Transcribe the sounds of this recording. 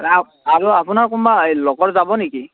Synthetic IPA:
a | aɹuapʊnaɹkumbalɔɡɔɹzabɔneki

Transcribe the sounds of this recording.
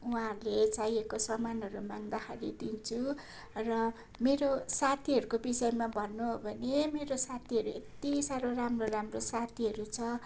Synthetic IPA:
uɦãɦʌɾlet͡sajekosʌmanɦʌɾumaŋd̪akʰaɾid̪int͡sʰu | rʌ | meɾosat̪ʰiɦʌɾukobisʌjemabʱʌnːuɦobʱʌnemeɾosat̪ʰiɦʌɾuḛt̪isaɾoramroramrosat̪ʰiɦʌɾut͡sʰʌ

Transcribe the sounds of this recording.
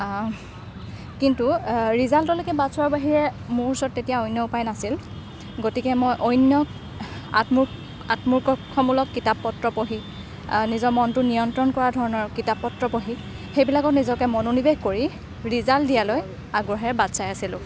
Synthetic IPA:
kintuɹizaltɔlekɛbadsʊwaɹbaɦiɹɛmuɹsɔtːetijaojnjɔʊpajnasil | ɡotikɛmojʔɔjnjɔ | a̰tmuɹ | atmuɹkɔxɔmulɔkːitapːɔtɹɔpoɦi | nizɔmɔntʊnijɔntɹɔnkɔɹadʱɔɹɔnɔɹkitapːɔtɹɔpoɦi | xejbilakɔtnizɔkɛmɔnonibeɡkoɹi | ɹizaltdijaloj | aɡɹɔɦɛɹbatsajasilʊ̃

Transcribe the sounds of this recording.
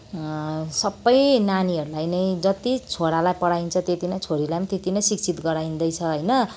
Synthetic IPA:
sʌbːʌjnaniɦʌɾulajnʌjd͡zʌt̪it͡sʰoɽalajpʌɽaint͡sʰʌt̪et̪inʌjt͡sʰoɾilajmt̪et̪inʌjsikt͡sʰit̪ɡʌɾajĩnd̪ʌjt͡sʰʌɦʌjnʌ

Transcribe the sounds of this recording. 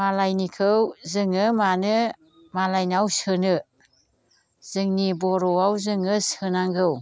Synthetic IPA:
malajnikʰɯwzɯŋɯmanɯ | malajnawsɯnɯ | z̥ɯŋnibɔɾɔawzɯŋɯsɯnaŋɡɯw

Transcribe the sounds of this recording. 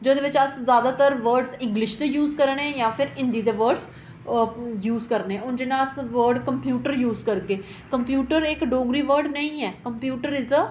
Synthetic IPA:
d͡ʒoːd̪eːʋɪt͡ʃəszjaːd̪aːt̪əɾʋəɾɖzɪ̃ŋɡlɪʃd̪eːjuːzkəɾɳɛ̃ːjãːpʰɪɾɪ̃nd̪iːd̪eːʋəɾɖz | juːzkəɾnɛ̃ːʊnd͡ʒɪnãːəsʋəɾɖkəmpjuːʈəɾjuːzkəɾkeː | kəmpjuːʈəɾɪkɖoːɡɾiːʋəɾɖnəĩːɛːkəmpjuːʈəɾɪz

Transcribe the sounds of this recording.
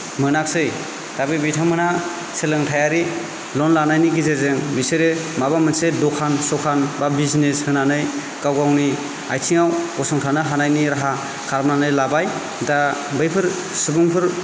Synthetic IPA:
mɯnaksɯj | tabɯbijtʰamɯna | selɯŋtʰajaɾi | lɔnlanajniɡizezɯŋbiseɾemabamɯnsedɔkʰansɔkʰanbabizneshɯnanɯj | kawɡawni | a̰jtʰiŋawɔsɔŋtʰanaɦanajniɾaɦa | kʰaɾmnanɯjlabaj | dabɯjpʰɯɾ | sɯbɯŋpʰɯɾ

